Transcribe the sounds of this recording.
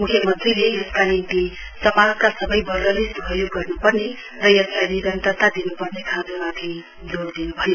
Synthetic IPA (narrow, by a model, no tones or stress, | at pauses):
mukʰjʌmʌnt̪rilejʌskanint̪i | sʌmad͡zkasʌbʌjbʌlɡʌlisuɦʌjoɡːʌrnupʌrne | rʌjʌslajniɾʌnt̪ʌɾt̪ad̪inupʌɾnekʰad͡zmat̪ʰi | d͡zoɽd̪inubʱʌne